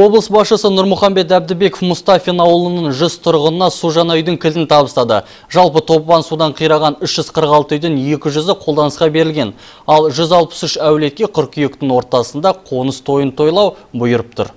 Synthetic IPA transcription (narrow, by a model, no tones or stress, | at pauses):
wo̞blˠəsbɑsʃəsənʊɾmʊχɑmbe̞t̪æb̚d̪ɪbe̞kofmʊst̪ɑfinɑwəlˠənəɴʒʏzt̪ʰʊɾʁənənɑsuʒɑnɑjd̪ɪŋkʲʰɪlɪnt̪ʰɑbəst̪ɑd̪ə̰ | ʒ̥ɑlˠpət̪ʰo̞pbɑnsud̪ɑɴqʰijɾɑʁɑnʏʃʒ̥ʏz̥qʰəɾəqɑlˠt̪əʏjd̪ɪnje̞kʲɪʒʏzɪqʰolˠd̪ɑnəsqɑbe̞ɾɪlʲɡʲe̞n | ɑlˠʒʏzɑlˠpə̥sʏʃæwle̞t̪̚kʲe̞qʰʏɾkʲʰijek̚t̪ɪŋwo̞ɾt̪ɑsənd̪ɑqʰo̞nəst̪ʰo̞jənt̪ʰo̞jlˠɑw | bʊjəɾəp̚t̪ʰʊ̰ɾ